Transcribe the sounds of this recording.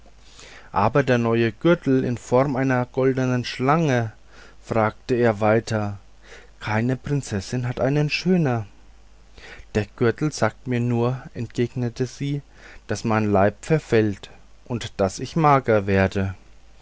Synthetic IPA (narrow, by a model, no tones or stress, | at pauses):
ʔaːbɐdeːɐnɔʏəɡ̥ʏɐtl̩ɪ̰nfɔɐmʔaɪnɐɡ̥ɔldənənʃlaŋə | fʁ̥aːktəeːɐvaɪtʰɐ | kʰaɪnəpʁ̥ɪnt͡sɛsɪnɦatʔa̰ɪnənʃøːnɐ | d̥eːɐɡ̥ʏɐtl̩z̥aːk̚tmiːɐnuːɐʔɛntɡ̥eːɡnətʰəz̥iː | d̥asmaɪnlaɪpfɛɐfɛlt | ʔʊntd̥asɪçmaːɡɐveːɐdə